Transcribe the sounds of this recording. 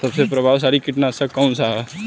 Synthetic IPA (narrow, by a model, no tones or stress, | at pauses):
t̪ɐbsepɾɐbʱaʋs̬aːɾikiʈnãsakːɐũnsaɦ